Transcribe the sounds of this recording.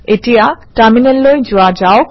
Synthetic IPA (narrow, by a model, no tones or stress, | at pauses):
etijataminɛlːojzʊwad͡ʒaʊk